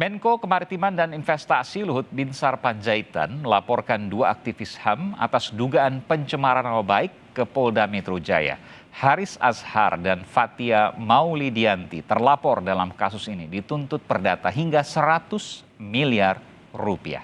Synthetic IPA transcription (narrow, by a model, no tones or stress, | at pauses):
mɛŋkokəmaɾit̪imandaninfɛst̪asiluɦʊt̪̚binsarpaɲd͡ʒait̪a̰nməlapɔrkanduaːk̚t̪ifishama̰t̪asduɡaːnpəɲt͡ʃəmaɾanapəbaɪkːəpɔldamɛt̪ɾod͡ʒa̰ja̰ | haɾisa̰sha̰rdanfat̪iamaulidiant̪ḭt̪ərlapɔrdalamkasusinidit̪unt̪ʊt̪̚pərdat̪aɦiŋɡasəɾat̪ʊs | miliar | rupḭa̰h